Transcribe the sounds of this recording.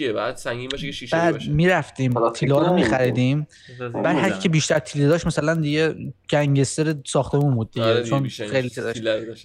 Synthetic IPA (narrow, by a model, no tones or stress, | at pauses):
d̪sibæːd̪miːɾæft̪iːmt̪ʰilɒɾomiːxæɾiːd̪im | b̥æd̪hæɾkʰiːcʰebiːʃt̪æɾt̪ʰiled̪ɒːʃt̪mæsælænd̪iɟed͡ʒ̥æŋɟest̪eɾesɒːχt̪ʰemunbuːd̪̚ːiet͡ʃʰonxejlit̪ʰid̪ɒːʃt̪